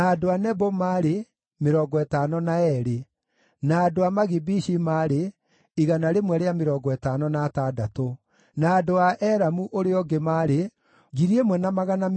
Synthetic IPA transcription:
adoanɛbomaɾe | meɾɔɡɔɛtaːnɔnaɛɾe | naːdoamaɣibiʃimaːɾe | iɣanaɾemwɛɾeameɾɔːŋɡɔɛtanɔnatadato | naːdoaʔɛɾamuʔoɾeɔɡemaɾe | ɣiɾiemwɛnamaɣana

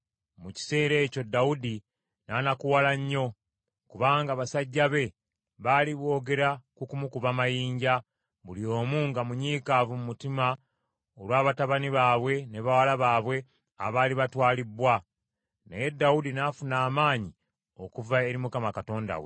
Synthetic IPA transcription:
muci̥se̞ːɾe̞ːco̞dːaudi | nanakuwalaɲːo̞ | kuβaːŋɡaβasaɟːaβe̞ | βaːliβwo̞ːɡe̞ɾakukumukuβamajiːɲɟa | βulio̞ːmuːŋɡamuɲiːkaːvumumutima | olwaːβataβaniβaːβwe̞ne̞βawalaβaːβwe̞ | a̰βaːliβatwaːlibwa | nejedːawudinafunaːmaːɲi | o̞kuvae̞ɾimukamakato̞ːnda̰wḛ

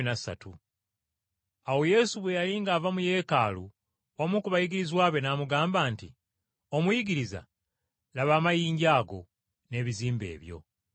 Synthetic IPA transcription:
inasa̰tu | awo̞je̞ːsuβwe̞jaliːŋɡaːvamuje̞ːkaːlu | wamukuβajiɡiɾizwaːβe̞naːmuɡaːmbaːntḭ | o̞mujiɡiɾiza̰ | laβaːmajiːɲɟaːɡo̞ | ne̞ːβiziːmbe̞̰ːβjo̞̰

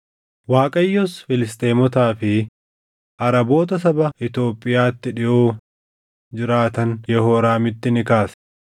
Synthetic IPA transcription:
waːkʼɐjːɔsfɪlɪst̪ʼeːmɔt̪aːfɪ | ʔɐɾɐbo̞ːt̪ɐs̬ɐbɐɪt̪o̞ːpʼːɪjaːt̪ːɪᶑɪʔoː | d͡ʒɪɾaːt̪ɐnjɛhoːɾaːmɪt̪ːɪnɪkaːs

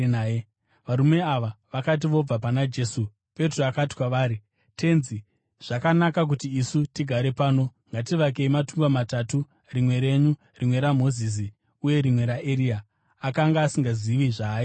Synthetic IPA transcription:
ʋaɾume̞aʋaʋakat̬iʋo̞b͡vapanad͡ʒe̞ːsu | pe̞troakati̥kwaʋaːɾi | te̞nzi | ʐ̥akanakak̬utiːsutiɡʱaɾe̞paːno̞ŋɡatiʋak̬e̞imatuŋɡamatatu | rimwe̞ɾe̞ɲu | rʔimwe̞ɾamo̞zis̬i | uje̞ɾimwe̞ɾaʔeɾiaː | kaŋɡaːsiŋɡaziʋiʐaːji

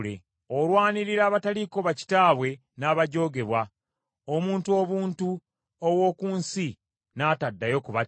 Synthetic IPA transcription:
lḛ | olwaːniɾiɾaːβataliko̞βaci̥taːβwe̞ | naːβaɟo̞ːɡe̞βwa | omuːntuo̞ːβuːntu | owo̞ːkuːnsi | naːtadːajo̞kuβa

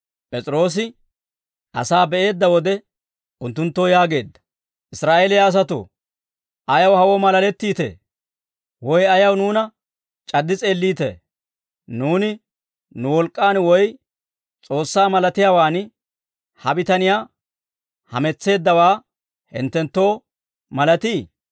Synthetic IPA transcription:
pʼɛt͡sʼɾo̞ːs̬ɪ | ʔɐ̰saːbɛʔe̞ːd̪ːɐwɔd̪ɛ | ʔʊnt̪ːʊnt̪ːojaːɡe̞ːd̪ːɐ̥ | ʔɪsɾaːʔeːlɪjaːs̬ɐt̪o̰ | ʔɐjɐwhɐwɔmɐlɐlɛt̪ːiːt̪ḛː | wɔjɐjɐwnuːnɐ | t͡ʃʼɐd̪ːɪt͡sʼe̞ːlːiːt̪ḛː | nuːnɪ | nʊwɔlkʼːaːnwɔj | t͡sʼo̞ːsːaːmɐlɐt̪ɪjaːwaːn | hɐbɪt̪ɐnɪjaː | hɐ̰mɛt͡sːe̞ːd̪ːɐwaː | hɪ̰nt̪ːɛnt̪ːo̞ː | mɐlɐt̪iː

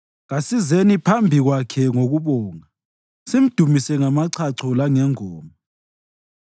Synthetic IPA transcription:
ɣasizenipʰambʱiɣwakʰɛŋoɣuβɔːŋa | sim̩d̥ʱumisɛŋamaǀʰaǀʰɔlaŋɛŋɔːmɔ

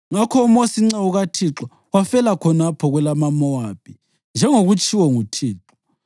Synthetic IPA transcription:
ŋakʰɔumosiŋ͡ǀɛuɣatʰiǁɔ | wafɛlakʰɔnapʰɔɣwɛlamamɔwaːpʰi | nd͡ʒʱɛŋoɣut͡ʃʼiwɔŋutʰiːǁɔ̥

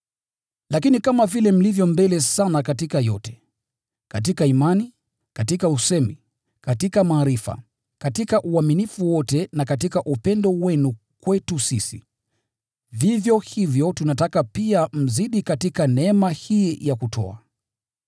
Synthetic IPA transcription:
lakinikamavilɛm̩livjɔmbɛlɛsanakatikajɔtɛ̥ | katikaimani | katikausɛmi | katikamaːɾifa̰ | katikaʔuaminifuwɔtɛnakatikaʔupɛndɔwɛnu | kwɛtusisḭ | vivjɔhivjɔtunatakapiam̩ziɗikatikanɛɛmahiːjakutʰɔ̰a̰

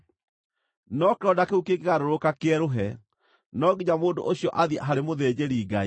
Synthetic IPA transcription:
nɔkeɾɔdakeukekeɣaɾoɾokakeɛɾoɦɛ | nɔɡiɲamoːndo̰ʔoɕiɔʔaðia̰ɦaɾemoðed͡ʑeɾiːɡai

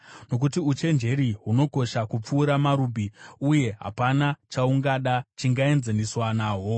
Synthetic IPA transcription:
no̞k̬utiut͡ʃe̞nd͡ʒe̞ɾiɦuno̞ko̞ʃakup͡fuːɾamaɾubʱiuje̞ɦa̰panat͡ʃauŋɡaɗat͡ʃiŋɡae̞nzeniswanaːɦo̞

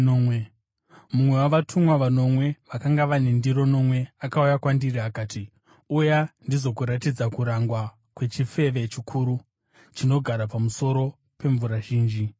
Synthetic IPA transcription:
omwe | mumwe̞waʋatʰumwaʋano̞mwe̞ʋakaŋɡaʋanendiɾo̞no̞mwe̞akaujakwandiriakaːti | ujandizo̞kuɾatid͡zakuɾaŋɡwa | kwe̞t͡ʃife̞ʋe̞t͡ʃikʰuːɾu | t͡ʃino̞ɡʱaɾapamuso̞ɾo̞ | pe̞ɱvuɾaʒiːnd͡ʒi

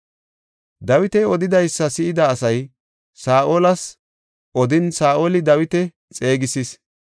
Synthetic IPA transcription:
d̪ɐwɪt̪ɛɔd̪ɪd̪ɐjsːɐsɪʔɪd̪ɐːsɐj | saːʔoːlɐs | ʔɔd̪ɪnsaːʔoːlɪd̪ɐwɪt̪ɛ | t͡sʼe̞ːɡɪsɪs

